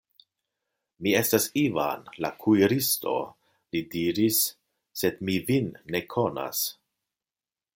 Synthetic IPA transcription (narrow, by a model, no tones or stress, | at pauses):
mie̞stasiva̰nla̰kʰujɾisto̞̰ | lidiɾisː | e̞dmivinːe̞kʰo̞na̰s